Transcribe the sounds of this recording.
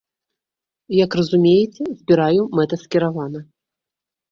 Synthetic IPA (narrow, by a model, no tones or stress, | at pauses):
jɐkrɐzumʲejɛt͡sʲɛzʲbʲiɾajumɛt̪ɐskʲiɾavanɐ